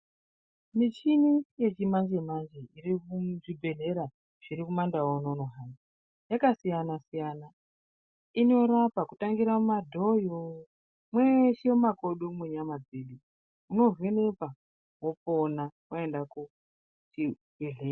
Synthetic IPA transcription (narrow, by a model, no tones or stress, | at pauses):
mit͡ʃinije̞t͡ʃimand͡ʒemand͡ʒeirikuʐibʱe̞ɮe̞ɾa | ʐ̥iɾikumandawononoɦani | jakasijanasijana | ino̞ɾapakutaŋɡiɾamumadʱojo | mweʃemakoɗomwuɲamad͡zeɗu | uno̞vene̞pa | woponakoendaku | ti | eɮeː